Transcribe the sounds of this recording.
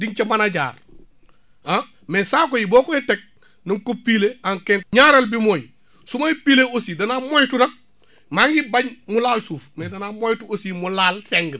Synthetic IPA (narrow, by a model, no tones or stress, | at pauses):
diŋt͡ʃɐmanaɟa̰ːɾ | a | mesaːkojiboːkoitek̚ | nuŋkopiːleaŋkenɲaɾelbimoːɲ | sumaipiːleosidɐnamojtunɐk̚ | maŋɡibaɲmulaːlsuːfmedɐnamojtuosimulaːlseŋɡə